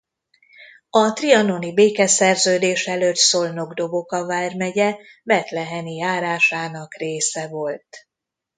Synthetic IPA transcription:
ɒt̪riɒno̞nibeːkɛsɛrzøːd̪eːʃɛløt̪solno̞ɡd̪o̞bo̞kɒvaːrmɛɟɛ | bɛt̪lɛɦɛnijaːɾaːʃaːnɒkreːsɛvo̞lt̪

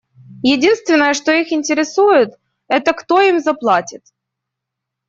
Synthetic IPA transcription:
jɪdʲinst̪vʲɪnːəjəʂt̪o̞ixɪnʲtʲɪɾʲɪsujʊt̪ | ɛt̪əkt̪o̞imzɐplˠatʲɪt̪

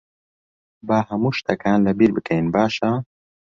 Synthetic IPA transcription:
baːɦɐmuʃt̪ʰɐkʰaːnlɐbiɾbɨkɐinbaːʃa

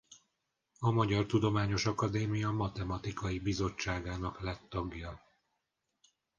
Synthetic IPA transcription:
ɒmɒɟɒrt̪ud̪o̞maːɲo̞ʃɒkɒd̪eːmijɒmɒt̪ɛmɒt̪ikɒjibizo̞t͡ʃːaːɡaːnɒklɛt̪ːɒɡjɒ

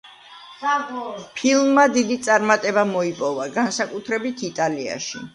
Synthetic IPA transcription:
pʰilˠmːad̪id̪it̪sʼaɾmat̪ʼɛbamɔipʼɔvaɡansakʼut̪ʰɾɛbit̪ʰit̪ʼalia̰ʃi

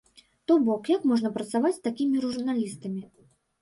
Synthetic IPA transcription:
t̪ɔbɔkjakmɔʐnɐpɾɐt̪savat͡sʲst̪akʲimʲiruurunalʲist̪ɐmʲi

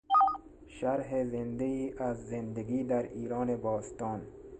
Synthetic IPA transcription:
ʃaɾɦezɪnd̪aiːʔazːend̪aɡiːd̪aɾiːɾɔːnebɔːst̪ɔːn

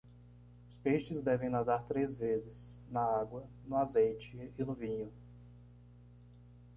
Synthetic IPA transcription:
ʊspeʃt͡ʃɪzd̪ɛvẽj̃nad̪aɾt̪ɾezvezɪsnɐaɡwɐ | nʊazejt͡ʃɪɪnʊvĩɲʊ

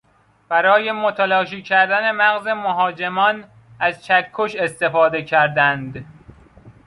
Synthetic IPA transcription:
b̥æɾɒːje̞mot̪ʰælɒːʃiːcʰæɾd̪æne̞mæɣze̞moɦɒːd͡ʒe̞mɒːn | æzt͡ʃʰækʰːoʃe̞st̪e̞fɒːd̪e̞cʰæɾd̪ænd̪

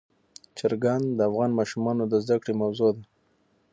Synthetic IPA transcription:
t͡ʃaɾɡand̪d̪əafɣɑnmɑʃumɑnod̪əzd̪akɽemawzod̪a

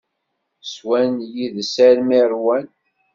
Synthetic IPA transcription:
swænjiðsæɾmiɾwæn

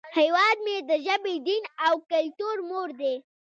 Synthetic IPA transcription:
hewɑd̪̚med̪əʒabed̪inawkalʈoɾmoɾd̪e

